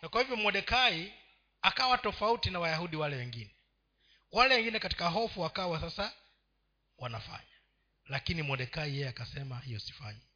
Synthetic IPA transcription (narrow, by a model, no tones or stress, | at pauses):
nakwahivjɔmwɔɗɛkai | akawatɔfautinawajahuɗiwalɛwɛŋɡinɛ | walɛwɛŋɡinɛkati̥kaɦɔfuakawasasa | wanafa̰ɲa | lakinimwɔɗɛkaijɛjɛakasɛmahijɔsi̥faɲi